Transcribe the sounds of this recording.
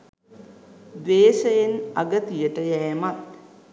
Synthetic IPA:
d̪ʋeːʃəjenɐ̰ɡət̪ijəʈəjɛːmat̪

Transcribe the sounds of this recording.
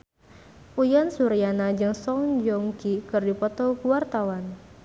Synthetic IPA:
ʔujansuɾijanad͡ʒɨŋsɔŋd͡ʒɔŋkikɨrdipɔt̪ɔkuwart̪awan

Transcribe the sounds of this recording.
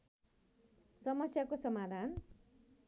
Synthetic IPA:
sʌmʌsjakosʌmad̪ʱan

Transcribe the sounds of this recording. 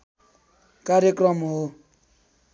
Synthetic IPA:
kaɾjekrʌmɦo

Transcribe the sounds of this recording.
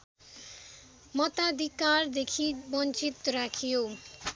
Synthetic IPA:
mʌt̪ad̪ʱikaɾd̪ekʰibʌnt͡ʃit̪ːɔɾakʰijo

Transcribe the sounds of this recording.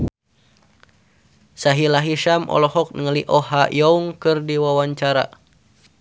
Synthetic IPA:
saɦilaɦiʃamʔɔ̰lɔhɔk̚nəŋəliʔɔhajɔuŋkɨrdiwawaɲt͡ʃaɾa̰

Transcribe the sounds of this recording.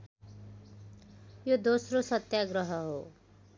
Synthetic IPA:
jod̪osrosʌt̪jaɡɾʌɦʌɦo

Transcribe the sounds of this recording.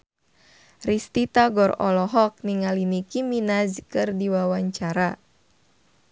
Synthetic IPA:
rist̪it̪aɡɔrɔ̰lɔɦɔk̚niŋalinikiminazkɨrdiwawaɲt͡ʃaɾa

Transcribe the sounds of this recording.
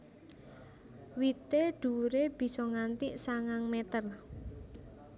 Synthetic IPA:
wit̪eɖ̥ṳɾeb̥i̤sɔŋant̪iʔsaŋaŋmet̪ər

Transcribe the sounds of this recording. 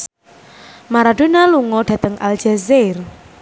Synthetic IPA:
maɾaɖ̥ṳnaluŋɔɖ̥ä̤t̪əŋʔa̰ld͡ʒɛzer

